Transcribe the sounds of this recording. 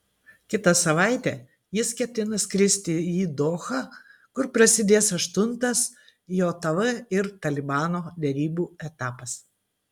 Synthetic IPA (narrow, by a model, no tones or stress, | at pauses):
kʲɪt̪ɐsɐʋɑˑɪt̪ʲɛː | jɪskʲɛt̪ʲɪnɐskɾʲɪsʲt̪ʲɪiːd̪oːxɑːkʊɾpɾɐsʲɪd̪ʲeːsɐʃt̪ʊnt̪ɐs | joːt̪ɐʋɐɪɾt̪ɐlʲɪbɑːnoːd̪ʲɛɾʲiːbuːɛt̪ɑːpɐs